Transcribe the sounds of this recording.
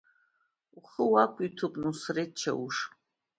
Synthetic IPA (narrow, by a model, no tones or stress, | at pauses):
uχəwakʷʼit̪ʰupʼnusret͡ʃʰːɐ̰uʂ